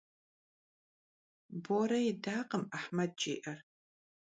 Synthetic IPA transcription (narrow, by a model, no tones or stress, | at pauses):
boɾɐjɪdaːqəmɐħmɐd̚t͡ʃʼḭːʔɐr